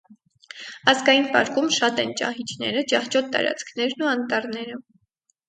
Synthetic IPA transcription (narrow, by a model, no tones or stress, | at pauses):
ɑzɡɑjinpɑ̰ɾkumʃɑt̪ɛnt͡ʃɑ̰hit͡ʃʰnɛ̰ɾət͡ʃɑht͡ʃɔt̪ːɑ̰ɾɑ̰t͡skʰn̪ɛɾnuɑnt̪ɑɾnɛɾə